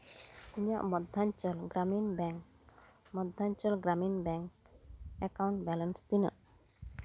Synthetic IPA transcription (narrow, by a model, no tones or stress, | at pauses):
iɲa̰ʔmɔd̪ʱaɲt͡ʃəlɡɾaminbɛŋ | mɔd̪ʱːaɲt͡ʃəlɡɾaminbɛŋk | ɛkawɳʈ̚bɛlənst̪ina̰ʔ